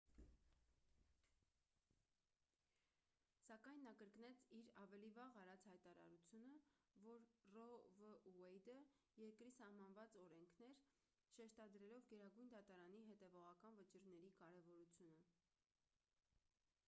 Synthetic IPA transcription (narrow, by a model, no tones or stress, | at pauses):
sɑkɑjnːɑkəɾknɛt͡sʰiɾɑvɛlivɑʁɑɾɑt͡shɑjt̪ɑɾɑ̰ɾut͡sʰjunə | vɔɾrɔvəuɛjd̪əjɛɾkɾisɑhmɑnvɑt͡sɔɾɛŋkʰnɛɾ | ʃɛʃt̪ɑd̪ɾɛlɔvɡɛɾɑɡujnd̪ɑt̪ɑɾɑn̪iɦɛt̪ɛvɔʁɑkɑnvət͡ʃiɾnɛɾikɑɾɛvɔɾut͡sʰjunə